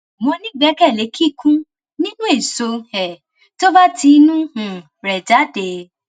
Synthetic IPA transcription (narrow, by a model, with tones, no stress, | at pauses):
mɔ̃˧nĩ˦ɡ͡bɛ˨˦kɛ˦˨le˨˦kʰi˦˨kʰũ˦ | nĩ˦nũ˦e˦˨so˧ɛ˨ | to˦ba˦ti˧nũ˦hũ˨ | ɾɛ˨d͡ʒa˨˦de˧˨